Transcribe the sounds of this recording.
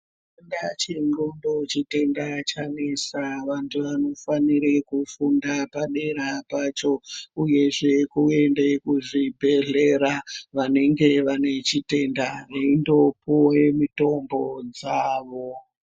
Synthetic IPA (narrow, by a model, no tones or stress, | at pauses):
endat͡ʃiŋ͡ǃondo̞t͡ʃite̞ndat͡ʃanisaʋantʰuʋano̞faniɾekufundapaɗe̞ɾapat͡ʃo̞uje̞ʐe̞kue̞ndekuʐibʱe̞ɮe̞ɾaʋane̞ŋɡe̞ʋane̞t͡ʃite̞ndaeindopoemito̞mbo̞d͡zaːʋo